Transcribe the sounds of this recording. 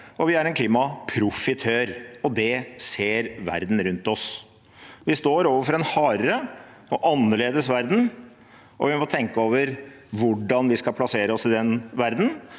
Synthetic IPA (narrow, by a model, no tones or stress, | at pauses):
ɔʋɪæɾɛnkʰliːmɑpʰɾʊfɪt̪ʰøːɾɔd̪ɛseːɾʋæ̰ɾd̪n̩ɾʉnt̪ɔs | ʋɪst̪oːɾoːʋəfɔɾɛnhɑːɾə | ɔʔɑnːəɭeːd̪əsʋæɾd̪n̩ | ʔɔ̰ʋɪmɔt̪ʰɛŋkəoːʋəɾ | ʋʊɖːɑnʋɪskɑpʰlɑseːɾəɔsɪd̪ɛnʋæɾd̪n̩